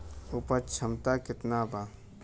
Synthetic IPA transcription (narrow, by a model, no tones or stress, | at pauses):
upət͡ʃʰəmt̪akɪt̪naba